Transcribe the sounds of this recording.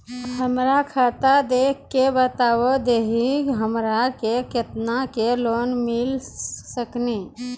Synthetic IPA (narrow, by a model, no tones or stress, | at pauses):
həmɾakʰaːt̪ad̪eːkʰkebət̪aːʋod̪eːɦiɡɦəmɾakeket̪nakeloːnmɪlsəkniː